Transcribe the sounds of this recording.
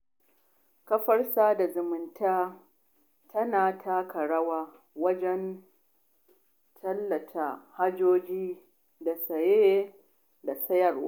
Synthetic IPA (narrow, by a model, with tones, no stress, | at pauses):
kɐ˦ɸɐ˦rsaː˦da˨zʊ˨mɪ˨ntaː˦ | tʰɐ˦naː˨tʰa˦kɐ˨ɽɐ˦waː˦ | wɐ˦d͡ʒɛ˦n | tʰɐ˦lːɐ˨tʰa˦ha˦d͡ʒoː˦d͡ʒiː˦ | da˨sɐ˨je˦ | da˨sɐ˦jɐ˨rwa˦